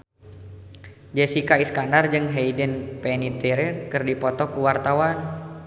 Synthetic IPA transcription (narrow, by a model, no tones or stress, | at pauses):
d͡ʒɛsikaiskandard͡ʒɨŋɦejdənpɛnit̪ɛɾɛrkɨrdipɔt̪ɔkuwart̪awan